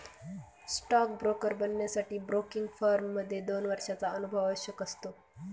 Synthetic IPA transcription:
sʈɔk̚bɾokəɾbənjasaʈiːbɾokiŋɡfaɾmːəd̪ʱːjed̪onʋəɾʂat͡saənubʱəʋəɕəkəst̪o

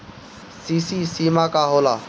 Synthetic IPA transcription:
siːsiːsiːmakaɦoːla̰ː

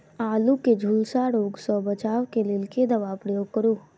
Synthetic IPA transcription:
aːluked͡ʒʱulsaɾoːɡsɔ̃bət͡ʃaːʋkelɪlked̪əʋapɾəjoːɡ̚kəɾuː

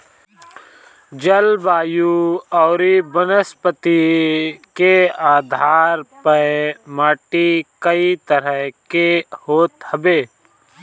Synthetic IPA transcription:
d͡ʒəlbaːjuɔːɾibənəspət̪i | keaːd̪ʱaːɾpəmaːʈikəit̪əɾəɦkehoːt̪həbeː

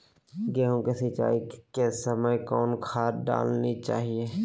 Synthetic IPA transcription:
ɡɛːɦõkesɪt͡ʃa̰ːikesəməjkɔːnkʰaːtɖa̰ːlnit͡ʃa̰ːɦie

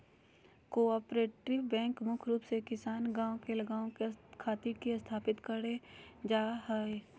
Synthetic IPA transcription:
koːaːpɾeːʈɪʋbɛ̃ːŋkmʊkʰɾuːpsekɪsaːnɡãːõkelɐɡaːõkekʰaːt̪iɾkiɐst̪ʰaːpɪt̪kəɾed͡ʒaːɦɛe

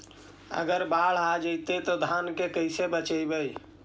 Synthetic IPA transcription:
ə̰ɡəɾbaɽ̤ad͡ʒəjt̪et̪ɔd̪ʱankekəɪsebət͡ʃəjbəj

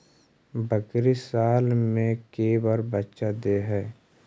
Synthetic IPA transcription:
bəkɾisaːlmẽkebəɾbətːʃad̪eɦɛː

